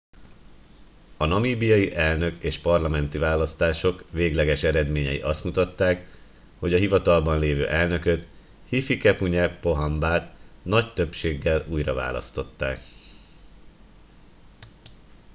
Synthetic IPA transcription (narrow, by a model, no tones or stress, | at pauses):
ɒnɒmiːbijɒjiʔɛlnø̞keːʃpɒrlɒmɛnt̪ivaːlɒst̪aːʃo̞kveːɡlɛɡɛʃɛɾɛd̪meːɲɛjḭʔɒst̪mut̪ɒt̪ːaːk | ho̞ɟɒɦivɒt̪ɒlbɒnleːvø̰ːʔɛlnø̞køt̪ | hifikɛpuɲɛpo̞ɦɒmbaːt̪nɒct̪ø̞pʃeːɡːɛluːjrɒva̰ːlɒ̰st̪o̞t̪ːa̰ːk